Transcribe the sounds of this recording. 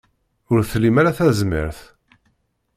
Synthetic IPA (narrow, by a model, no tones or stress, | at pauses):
ʊɾθlimæɾaθæzmḭɾθ